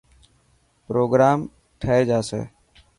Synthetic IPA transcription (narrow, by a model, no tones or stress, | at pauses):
pɾoːɡɾaːm | ʈʰəeːd͡ʒaːsḛː